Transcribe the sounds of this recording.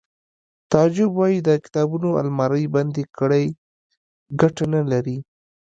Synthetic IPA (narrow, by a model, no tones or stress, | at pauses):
t̪ɑd͡ʒɪbwɑjid̪əkɪ̥t̪ɑbunoa̰lmɑɾəjband̪ekəɽaj | ɡaʈanalaɾi